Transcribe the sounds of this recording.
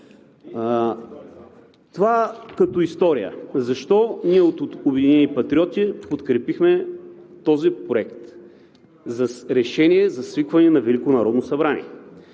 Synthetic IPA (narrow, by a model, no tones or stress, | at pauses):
t̪ovakɐt̪ɔist̪ɔɾijə̰zɐʃt̪ɔniɛot̪obɛd̪inɛnipɐt̪ɾiɔt̪ʲipot̪kɾɛpixmɛt̪ɔzipɾoɛk̚t̪ | zɐɾɛʃɛniɛzɐsvikvɐnɛnɐvɛlikonɐɾɔd̪nosɐbɾanḭɛ̰